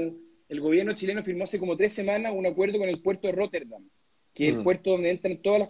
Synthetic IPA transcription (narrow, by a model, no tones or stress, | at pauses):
elɣo̞βje̞ɾno̞t͡ʃile̞nofiɾmoasekomot̪ɾesːemanaunakwe̞ɾð̞oko̞ne̞lpwe̞ɾt̪oðerot̪eɾðam | keelpwe̞ɾt̪oðond̪ent̪ɾant̪oðala